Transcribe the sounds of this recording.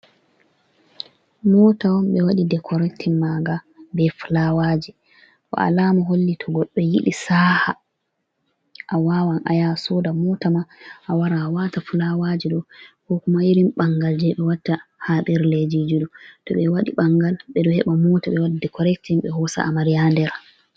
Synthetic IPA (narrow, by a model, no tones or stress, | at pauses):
mɔːtawɔmɓɛwaɗidɛkʰɔɾɛktʰinmaɡa | bɛfulawad͡ʒi | kɔ̰a̰laːmaɦolːitʰɔɡɔɗːɛjḭɗisaːha | ʔawaːwanʔa̰jasɔdamɔtamaʔawaɾawatafulawad͡ʒiɗɔkɔkumajiɾimɓaŋɡald͡ʒɛɓɛwatːahaɓɛɾled͡ʒid͡ʒuɗɔtɔɓɛwaɗiɓaŋɡalɓɛɗɔhɛɓamɔtaɓɛwaɗidɛkʰɔɾɛk̚tinɓɛhɔsa̰amaɾijandɛɾ